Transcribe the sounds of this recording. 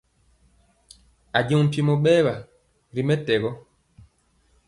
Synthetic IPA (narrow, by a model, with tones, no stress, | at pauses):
a˨ɟi˨n̩˨ti˨mɔ˨ɓɛ˦βa˨ | ɾi˨mɛ˦tɛ˨ɣɔ˦